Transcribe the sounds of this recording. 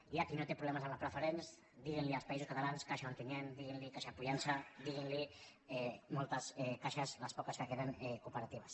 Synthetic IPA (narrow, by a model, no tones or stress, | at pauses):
iakinot̪epɾuβlɛmazamlapɾəfəɾens | d̪iɣenlialˠspaizuskat̪alanskaʃaoŋk̪enend̪iɣinlikaʃapuʎansad̪iɣinli | ɛmolˠt̪asɛkaʃazlaspɔkaskəkeðəŋɛkupəɾat̪iβas